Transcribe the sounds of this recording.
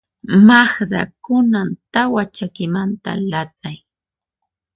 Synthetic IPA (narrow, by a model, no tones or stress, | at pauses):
maχd̪a̰kʊnant̪awat͡ʃakɪmant̪a̰lat̪̚aj